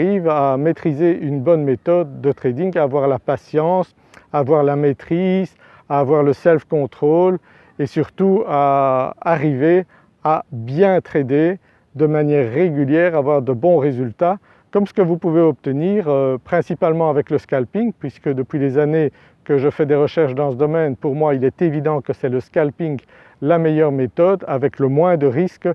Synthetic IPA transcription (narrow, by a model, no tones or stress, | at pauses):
ivamet̪χizeynbɔnmet̪ɔd̪ːət̪χed̪iŋɡaːvwaʁlapasjɑ̃s | aːvwaʁlamet̪χiz | aːvwaʁləsɛlfkɔ̃t̪χol | esyʁt̪uaaʁive | abjɛ̃t̪χed̪e | d̪əmanjɛːʁːeɡʲyljɛːʁavwaʁd̪əbɔ̃ʁezylt̪a | kɔmsə̥kəvupuveɔp̚t̪əniːʁøpχɛ̃sipalmɑ̃avɛkləskalpiŋpɥiskəd̪əpɥilezane | kəʒəfɛd̪eʁəʃɛʁʃd̪ɑ̃səd̪ɔmɛnpuʁmwailɛt̪evid̪ɑ̃kəsɛləskalpiŋ | lamɛjœʁmet̪ɔd̪avɛkləmwɛ̃d̪əʁisk